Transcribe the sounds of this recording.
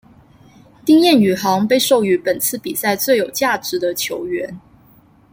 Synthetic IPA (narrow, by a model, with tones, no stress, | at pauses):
t̪i˥ŋjɛ˥˩ny˨˩xɑ˧˥ŋpe˥˧ɪʂo˥˩ʊy˧˥pə˨˩nt͡sʰɹ̩˥˩pi˨˩sa˥˧ɪt͡swe˥˩ɪjo˨˩ʊt͡ɕja˥˩ʈ͡ʂɻ̩˨˧˥d̪ə˧t͡ɕʰjo˧˥ʊɥɛ˧˥n